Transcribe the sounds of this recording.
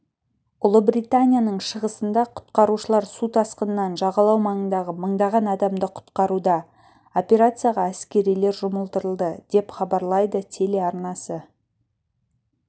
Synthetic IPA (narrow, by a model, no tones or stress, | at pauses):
ʊlˠəbɾijt̪anʲijanəɴʃəʁəsənd̪ɑqʰʊ̥t̪qɑɾuʃəlˠɑɾsut̪ʰɑsqənəːɑnʒɑʁɑlˠɑwmɑɴənd̪ɑʁəməɴd̪ɑʁɑnɑd̪ɑmd̪əqʰʊ̥t̪qɑɾud̪ɑ | opʲe̞ɾat̪sɨjaʁɑæskʲe̞ɾijle̞ɾʒʊməlˠt̪əɾəlˠd̪əd̪̥e̞pχɑbɑɾlˠɑjd̪ət̪ʰe̞le̞ɑɾnɑsə